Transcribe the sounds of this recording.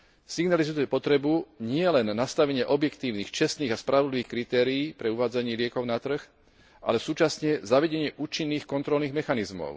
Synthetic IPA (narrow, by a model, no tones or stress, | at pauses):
siɡnalizupɔt̪ɾɛbuɲɪɛlɛnːast̪aʋɛɲɪɛʔɔbjɛkt̪iːʊniːxt͡ʃɛst̪niːɣaspɾaʋɔd̪liʋiːxkɾit̪ɛːɾiiːpɾɛuʋaːd͡zaɲɪiːlɪɛkɔʊnat̪r̩x | ʔa̰lɛsuːt͡ʃasɲɛzaʋɛɟɛɲɪɛʔuːt͡ʃinːiːxkɔnt̪ɾɔlniːɣmɛxanizmɔ̰ʊ